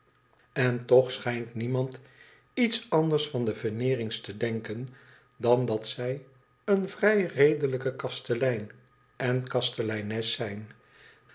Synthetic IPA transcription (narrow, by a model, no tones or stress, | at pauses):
ɛntɔχsχɛjntnimɑnt | itsɑndəɹsfɑndəvənɪːrɪŋstədɛŋkən | dɑndɑtsɛj | ənvrɛjrejdələkəkɑstəlɛjn | ʔɛnkɑstəlɛjnɛsɛjn